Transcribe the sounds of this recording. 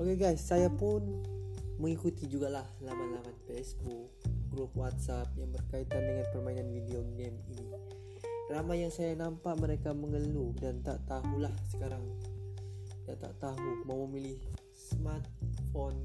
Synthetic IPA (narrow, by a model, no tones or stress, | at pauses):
ʔokeɡajsːajapʊn | məŋikut̪id͡ʒuɡalahlamanlamanfesbuk̚ɡɾup̚wat̪̚sap̚jaŋbərkait̪andəŋanpərmainanvidioɡɡɛmini | ramajaŋsajanampaʔməɾekaməŋəludant̪aʔt̪aɦulahsə̥kaɾaŋ | dat̪a̰ʔt̪aɦumawməmilɪh | səmat̪̚fɔn